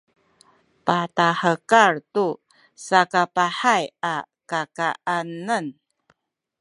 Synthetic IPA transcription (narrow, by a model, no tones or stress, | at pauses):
pataħəkaɾtu | sakapaħaja | kakaʔanən